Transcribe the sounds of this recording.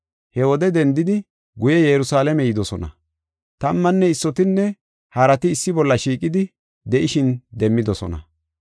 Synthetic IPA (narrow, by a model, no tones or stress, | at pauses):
hɛwɔd̪ɛd̪ɛnd̪ɪd̪ɪ | ɡʊjɛjɛɾʊsaːlɛmɛjɪd̪ɔsɔnɐ̰ | t̪ɐmːɐnːɛɪsːɔt̪ɪnːɛ | hɐɾɐt̪ɪːsːɪbɔlːɐʃiːkʼɪd̪ɪ | d̪ɛʔɪʃɪnd̪ɛmːɪd̪ɔsɔ̰nɐ̰